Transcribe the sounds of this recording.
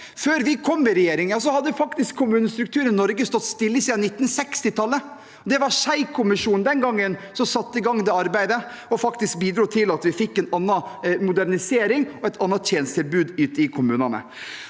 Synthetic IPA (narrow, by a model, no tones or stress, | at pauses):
føːɾʋɪkʰɔmːɪɾɛjeːɾɪŋjɑːs̬ɔhɑd̪ːfɑkt̪ɪskʰːʊmʉːnəst̪ɾʉkt̪ʰʉːɾənnɔɾɡəst̪ɔt̪ːst̪ɪlːəsiːd̪ɑnɪt̪ːn̩sɛkst̪ɪt̪ʰɑlːə | d̪ɛʋɑɾʂæɪkʰʊmɪʂuːnnd̪ɛnɡɑŋːənsɔsɑt̪ːəɪɡɑŋːd̪ɛɑɾbæɪd̪ə | ɔfɑkt̪ɪsk̚biːd̪ɾuːt̪ʰɪlɑt̪ʋɪfɪkːɛnɑnːɑmʊd̪æɾnɪseːɾɪŋɔɛɪt̪ʰɑnːɑjeːnst̪ʰɪlbʉːd̪ʉːt̪əɪkʰʊmʉːnɑnə̰